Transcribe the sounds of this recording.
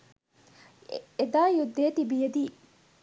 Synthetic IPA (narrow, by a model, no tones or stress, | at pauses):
ed̪aːjud̪ːeːt̪ibijɐd̪iː